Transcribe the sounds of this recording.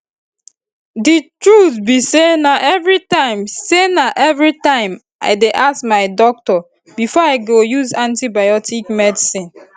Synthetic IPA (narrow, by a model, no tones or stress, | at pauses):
ditɹutbisenaʔɛvɹitãɪ̃msenaʔɛvɹitãɪ̃m | a̰ɪdeʔasmaɪdɔk̚tɔ | bifɔaɪɡojuzãntibajɔtikmɛdisĩn